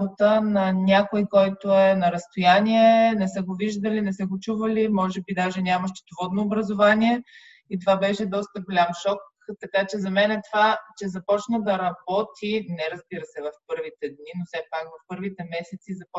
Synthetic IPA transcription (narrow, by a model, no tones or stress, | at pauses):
bot̪ənɐnʲakojkɔjt̪oɛnɐɾɐst̪ojaniɛnɛsɛɡoviʒd̪əlinɛsəɡot͡ʃuvɐlimɔʒɛbid̪aʒɛnʲamɐʃt̪ɛ̥t̪ovɔd̪noːbɾəzovaniɛ | it̪ovabɛʃɛd̪ɔst̪əɡolʲamʃɔk | t̪ɐkat͡ʃɛzɐmɛnɛt̪ovat͡ʃɛzɐpɔt͡ʃnəd̪ɐɾɐbɔt̪ʰinɛɾɐzbiɾəsɛvɐfpɤɾvit̪ɛd̪ninosɛpakvɐfpɤɾvit̪ɛmɛsɛt̪sizɐpɔ